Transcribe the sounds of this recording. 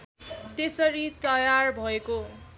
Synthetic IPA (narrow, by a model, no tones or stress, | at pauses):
t̪esʌɾit̪ʌjarbʱʌeko